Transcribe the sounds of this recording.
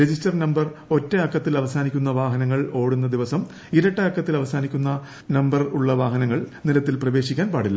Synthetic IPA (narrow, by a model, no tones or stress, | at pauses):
ɾed͡ʑistɐrnɐmbɐro̞tːeɐkːɐt̪ːilɐʋɐsaːnikʲːunːɐʋaːɦɐnɐŋːɐɭo̞ːɽunːɐd̪iʋɐsɐm | iɾɐʈːɐɐkːɐt̪ːilɐʋɐsaːnikʲːunːɐ | nɐmbɐruɭːɐʋaːɦɐnɐŋːɐɭnilɐt̪ːilprɐʋe̞ːɕikʲːaːnpaːɽilːɐ